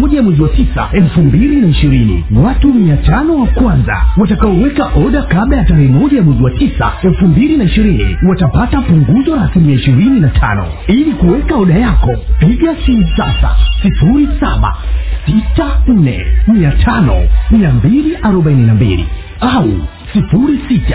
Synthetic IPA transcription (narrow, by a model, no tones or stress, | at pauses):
ɔʄajamwɛziwatisa̰ɛlfumbilinaiʃiɾinḭwatumiatanɔwakwanza̰watakaɔwɛkaʔɔɗakaɓlajataɾɛhɛmɔʄajamwɛziwatisa̰ɛlfumbilinaiʃiɾinḭwatapatapuŋɡuzɔɾasimiaiʃiɾininatʰa̰nɔ̰ | ilikuwɛkaɔɗajakɔpiʄasisasa̰sifuɾisa̰ɓa̰sitan̩nɛ̰miatʰanɔ̰miambiliʔaɾɔɓaininambḭlḭ | au | sifuɾisitḁ